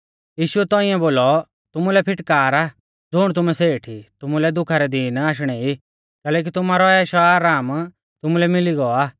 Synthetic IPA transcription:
jiːʃʊɛt̪ɔːiɛ̃boːlɔ | t̪ʊmulɛpʰɪʈkaːɾaː | d͡zʊːɽ̃t̪ʊmɛseːʈʰit̪ʊmulɛd̪ʊkʰaɾɛd̪iːnaːʃ̬ɽ̃ɛi | kɛːlɛːk̬it̪ʊmaːɾɔɛːʃɔaːɾaːm | t̪ʊmulɛmɪliɡɔaː

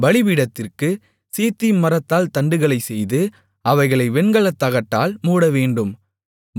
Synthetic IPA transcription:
ʋɐɭɪʋiɽɐt̪ːɪrkɯ | seːt̪ːɪjmmɐɾɐt̪ːaːlt̪ɐɳɖɯɣɐɭɐɪsɛjðɯ | ɐʋɐɪɣɐɭɐɪʋɛɳɡɐɭɐt̪ːɐɣɐʈːaːlmuːɽɐʋeːɳɖɯm

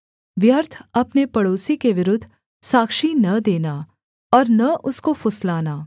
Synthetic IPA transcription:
ʋjɐɾt̪ʰɐpnepɐɽoːsikeʋɪɾʊd̪ʱː | saːkʃinɐd̪eːnaː | ɔːɾnɐʔʊskofʊslaːnaː

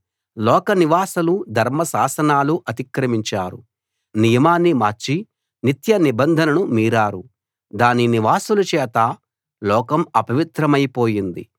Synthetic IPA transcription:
lɔːkɐniʋaːsɐlud̪ʱɐɾmɐsaːsɐnaːluʔɐt̪ikɾɐmiɲt͡ʃaːɾṵ | nijɐmaːnːimaːɾt͡ʃi | nit̪jɐnibɐnd̪ʱɐnɐnumiːɾaːɾu | d̪aːniniʋaːsulɐt͡ʃɛːt̪ɐ | lɔːkɐmɐpɐʋit̪ɾɐmɐjpoːjind̪ḭ

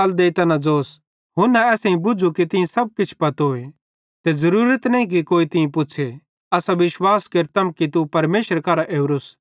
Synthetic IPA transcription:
ld̪eːt̪ɐnãd͡zoːs | ɦʊnɛ̃ɛːsẽĩbʊd͡ʒʱukit̪ɪẽsɐb̚kɪt͡ʃʰpɐt̪ɦoe | t̪ezɐɾuːɾət̪nɐɦĩk̬ikoːit̪ɪ̃ẽpʊt͡ʃʰe | ɐsaʋɪʃwaːskeɾt̪ɐmkit̪upɐɾmeːʃəɾkɐːɾaʔeːʋɾʊs

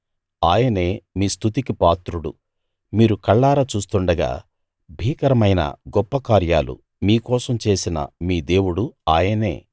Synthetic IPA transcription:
aːjɐne̞ːmiːst̪ʰut̪ikipaːt̪ɾuɽṵ | miːɾukɐɭːaːɾɐt͡ʃuːst̪uɳɖɐɡa̰ː | bʱiːkɐɾɐmɐjnɐ̰ɡɔpːɐkaːɾja̰ːlṵ | miːkɔːsɐmt͡ʃe̞ːsinɐ̰miːd̪e̞ːwuɽuaːjɐne̞ː

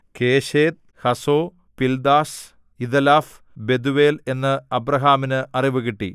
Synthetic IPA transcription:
ke̞ːɕeːt̪̚ | hɐsoː | pild̪aːs | iðɐlaːf | be̞d̪uʋe̞ːle̞nːɨɐbrɐɦaːminɨʔɐriʋɨɣiʈːḭ

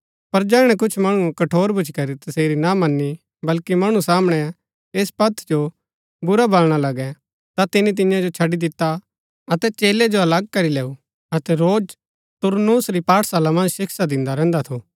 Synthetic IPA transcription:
pɐɾd͡ʒɛːɽ̃ɛk̬ʊt͡ʃʰmɐɽ̃ukɐʈʰoːɾbʱʊt͡ʃʰkɐɾit̪ɐseːɾinamɐnːi | bɐlkimɐɽ̃usaːməɽ̃ɛ | eːspɐt̪ʰd͡ʒo | bʊɾabɐlɽ̃alɐɡɛ | t̪at̪ɪnit̪̬ɪjãd͡ʒot͡ʃʰɐɖid̪ɪt̪ːa | ɐt̪ɛt͡ʃeːled͡ʒoɐlɐɡ̚kɐɾileːu | ɐt̪ɛɾoːd͡ʒ | t̪ʊɾnuːsɾipaːʈʰsaːlamɐ̃nd͡ʒʃɪkʰsad̪ɪ̃nd̪aɾɛ̃ːnd̪at̪ʰoː

